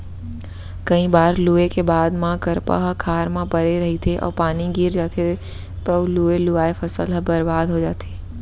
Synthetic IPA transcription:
kɐĩbaːɾluːekebaːd̪mãkəɾpa̰ɦkʰaːɾmãpəɾeɾɐɦit̪ʰeʔɔ̰ːpaːniɡiɾd͡ʒaːt̪ʰe | t̪əulueluaːefʰəsə̰lɦəbəɾbaːd̪ɦod͡ʒaːt̪ʰe̥ː

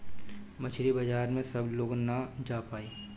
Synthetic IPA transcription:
mɐt͡ʃʰɾibɐd͡ʒaːɾmẽsɐbloːɡnɐd͡ʒaːpaːeː

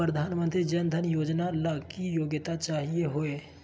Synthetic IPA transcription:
pɾəd̪ʱaːnmə̃nt̪ɾid͡ʒɐnd̪ʱənjoːd͡ʒnalaɡkijoːɡjət̪at͡ʃaːɦieɦoe

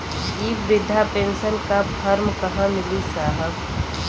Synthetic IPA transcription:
iːbɪd̪ʱapẽnsənkabʰʱəɾmkəɦãmɪlisaːɦəb

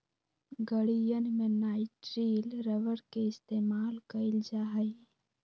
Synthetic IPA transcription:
ɡəɽijənmẽnaːɪʈɾiːlɾəʋəɾkeɪst̪eːmaːlkəɪld͡ʒaːɦəi

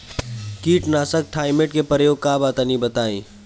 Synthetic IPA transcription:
kiːʈnaːsək̚ʈʰaːɪmeːʈkepɾəjoːɡ̚kaːbaːt̪anĩbɐt̪aːḭ̃ː

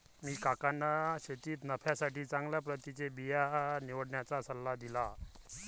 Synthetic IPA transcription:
miːkakanːaɕet̪iːt̪nəpʰjasaʈiːt͡sãŋɡljap̬ɾət̪it͡sebijaniʋəɽɳjat͡sasəlːad̪ila

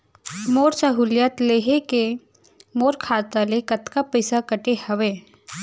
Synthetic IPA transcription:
moːɾsəɦuːljaːt̪leːɦeke | moːɾkʰaːt̪alekɐt̪kapəɪsakəʈehɐʋeː

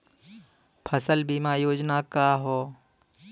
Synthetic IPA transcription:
pʰəsəlbimaːjoːd͡ʒnakaːɦoː

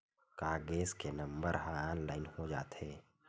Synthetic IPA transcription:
kaːɡeːskenə̃mbəɾɦãaːnlaːɪnhod͡ʒa̰ːt̪ɦeː

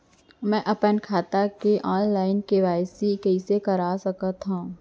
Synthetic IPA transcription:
mɛ̃ːʔɐpənkʰaːt̪akeʔɔːnlaːɪnkeʋaːjsikɐisekɐɾaːsɐkət̪ɦã

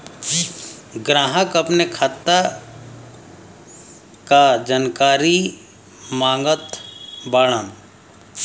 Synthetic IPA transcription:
ɡɾãːɦəkəpnekʰat̪ːa | kad͡ʒankaːɾi | mãːŋɡət̪baɽ̃an

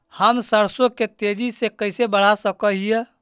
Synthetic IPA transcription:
həmsəɾsõket̪ed͡ʒisekəɪsebəɽ̤asəkəɦije

